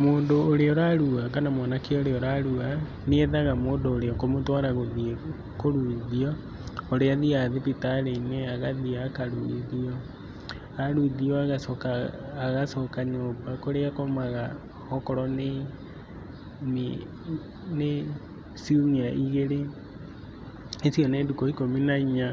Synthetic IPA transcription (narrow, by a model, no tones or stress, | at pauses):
moːndoːɾeɔɾaɾuakanamwanakeɔoɾeɔɾaɾua | neeðaɣamoːndoːɾeɔkomotwaɾaɣoðie | koɾuðiɔ | oɾeaðiaðepitaɾeineaɣaðiakaɾuiðiɔ | aɾuiðiɔaɣasɔkaːɣasɔkaɲoːbakoɾeakomaɣa | ɔkɔɾɔne | m | ne | siumiaʔiɣeɾe | esjɔneːdukɔikominaiɲa